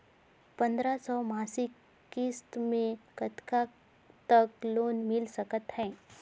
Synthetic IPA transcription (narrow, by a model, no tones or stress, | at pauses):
pɐ̃nd̪ɾasɔːmaːsɪkː | ist̪mẽkət̪ka | t̪əkloːnmɪlsɐkət̪ɦɛ̃ː